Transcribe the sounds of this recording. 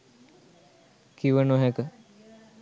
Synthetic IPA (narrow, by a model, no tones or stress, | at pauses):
kiʋənoɦɛkə